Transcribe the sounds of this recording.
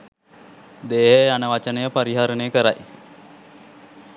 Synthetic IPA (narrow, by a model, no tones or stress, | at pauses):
d̪eːɦejanəʋat͡ʃənəjəpaɾiɦaɾənejəkəɾaj